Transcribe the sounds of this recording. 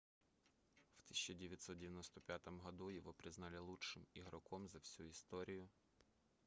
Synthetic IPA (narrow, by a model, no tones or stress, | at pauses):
wt̪i̥sʲt͡ʃɐdʲɪʋʲjɐt̪sɔt̪̚dʲɪʋjɐnɔst̪ɔpʲjat̪ɔmɦɔd̪ujɔʋɔpɾɪznɑlʲɪlˠut͡ʃʃɪmiɦɾɔkɔmzɐwsʲuist̪ɔɾʲʔijʊ